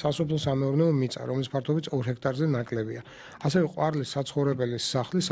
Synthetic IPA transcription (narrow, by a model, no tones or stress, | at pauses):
asɔpʰlˠɔsamɛuɾnɛɔmit̪sʼa̰ɾɔmlispʰaɾt̪ʰɔbit̪sʰɔɾɦɛkʰt̪ʼaɾzɛnakʼlɛbia | asɛvɛqʼwaɾlisːat̪sʰχɔvɾɛbɛlisaχlis